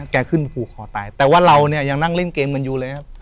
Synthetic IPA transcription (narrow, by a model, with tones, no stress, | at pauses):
kɛː˧kʰɯ˥˩n˧pʰuː˨˩kʰːɔː˨˩˦t̪aː˧jt̪ɛː˨˩waː˥˩ɾa˧wni˥˩ɐja˧ŋna˥˩ŋle˥˩nkeː˧mka˧njuː˧lɤː˧jkʰa˦˥p